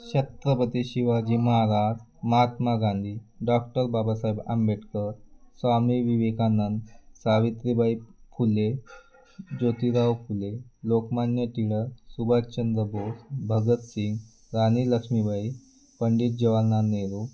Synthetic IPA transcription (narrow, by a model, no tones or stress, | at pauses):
ɕət̪ɾəpət̪iɕiʋad͡ʑiːməɦaɾaɾ | məɦat̪maɡãnd̪ʱiːɖɔkʈəɾbabasaiba̰mbeʈkəsʋamiʋiʋekanːənsaʋit̪ɾibaikʰule | d͡ʑot̪iɾawkʰulelokmanjət̪iɭəsubat̪t͡ɕənd̪ɾəbosbʱəɡət̪siŋɡ | ɾaniləksmibai | pəɳɖiːt̪̚d͡ʑəʋalnaneɾu